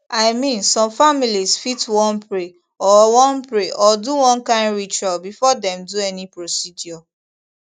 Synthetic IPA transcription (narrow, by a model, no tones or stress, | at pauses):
aɪmĩnsɔ̃mfamilisfitwɔ̃npɹe | ɔwɔ̃npɹeʔɔduwɔ̃nkãɪ̃nɹit͡ʃɔbifɔdɛ̃mduɛnipɹosidjɔ